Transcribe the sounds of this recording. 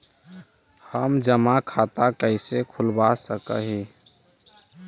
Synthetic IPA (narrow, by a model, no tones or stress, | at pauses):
həmd͡ʒəmakʰat̪akəɪsekʰulbasəkə̰ɦi